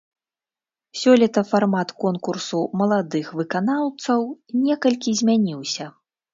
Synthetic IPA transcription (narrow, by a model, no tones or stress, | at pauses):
sʲɔlʲɛt̪ɐfarmat̪kɔnkursumɐlˠad̪ɨxvɨkanawt̪sɐwnʲɛkɐlʲkʲizʲmʲanʲiwsʲɐ